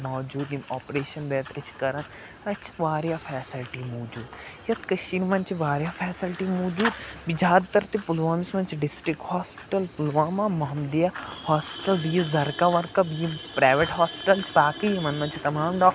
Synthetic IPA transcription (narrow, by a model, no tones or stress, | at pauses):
mɔːd͡ʒuːd̪imɔːpɾeːʃɐnbɛːt̪ɐt͡ʃʰkɐɾɐn | ɐt͡ʃʰʋaːɾjafʰɛːsilʈimoːd͡ʒuːd̪ | jɐkkɐʃinmɐnt͡ʃiʋaːɾjafʰɛːsilʈimoːd͡ʒuːd̪ | bid͡ʒaːd̪̚t̪ɐɾt̪epulʋaːmismɐnt͡ʃʰiɖɪsʈɾikhaːspɪ̥ʈɐlpulʋaːmãːmɐɦmd̪ija | haːspɪ̥ʈɐlbijizɐɾkaʋɐɾkɐbijipɾaːʋeʈɦaːspɪ̥ʈɐlt͡ʃbaːkijimɐnmɐnt͡ʃʰit̪ɐmaːmɖɔː